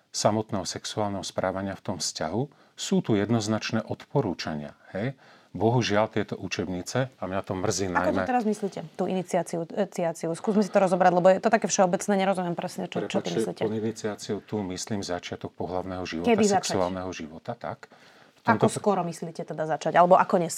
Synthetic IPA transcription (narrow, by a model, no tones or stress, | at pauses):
samɔt̪nɛːɦɔsɛksuaːlnɛɦɔspɾʔaːʋaɲɪaft̪ɔmfscaɦu | suːt̪ujɛd̪nɔznat͡ʃnɛːʔɔt̪pɔɾuːt͡ʃaɲɪa̰hɛj | bɔɦuʒɪalt̪ɪɛt̪ɔʔut͡ʃɛbɲit͡sɛamɲat̪ɔmr̩ziːnajkɔtmɔɛt̪ɛɾazmisliːcɛt̪uːʔinit͡siaːt͡siut͡siat͡siuskuːzmɛs̬it̪ɔɾɔzɔbɾaɟlɛbɔjɛt̪ɔt̪akɛːfʃɛɔbɛt͡snɛːɲɛɾɔzumɪjɛmpɾɛsɲɛt͡ʃɔt͡ʃɔt̪imisliːtcɛinit͡siat͡siut̪umisliːmzat͡ʃɪat̪ɔk̚pɔɦlaʊnɛɦɔʒiʋɔkɛbaiszɛaksauaːlnɛɦɔʒiʋɔt̪at̪a̰k | ft̪ɔamt̪ɔskɔɾɔmisliːcɛt̪ɛd̪azat͡ʃaɟalɛbɔʔakɔɲɛs